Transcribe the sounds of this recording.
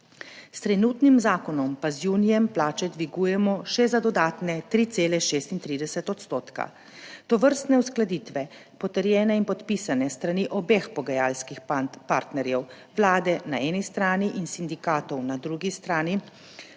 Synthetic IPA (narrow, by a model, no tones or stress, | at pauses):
st̪ɾɛnuːt̪nimzaːkɔnɔmpazjuːnijɛmplaːt͡ʃɛd̪ʋiɡuːjɛmɔʃɛzad̪ɔd̪aːt̪nɛt̪ɾiːt̪seːlɛʃeːst̪int̪ɾiːd̪ɛsɛt̪ɔt̪st̪oːt̪ka̰ | t̪ɔʋəɾst̪nɛusklad̪iːt̪ʋɛ | pɔt̪əɾjɛːnɛinpɔt̪pisanɛst̪ɾaniʔɔbexpɔɡajaːlskixpaɾt̪nɛɾjɛw | ʋlaːd̪ɛnaɛːnist̪ɾaːniʔinsind̪ikaːt̪ɔwnad̪ɾuːɡist̪ɾaːni